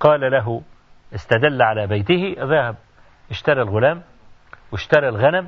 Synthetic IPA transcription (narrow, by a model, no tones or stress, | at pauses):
qɑːlalaɦʊ | ʔɪst̪ad̪alːʕalaːbajt̪ɪhɪʔaðæːhab̚ | ʔɪʃt̪ɑɾˤilɣʊlæːm | wɪʃt̪ɑɾˤalɣanam